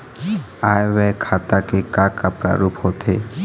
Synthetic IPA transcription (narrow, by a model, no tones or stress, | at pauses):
ajʋɛkʰat̪akekakapɾa̰ɾupɦot̪ʰe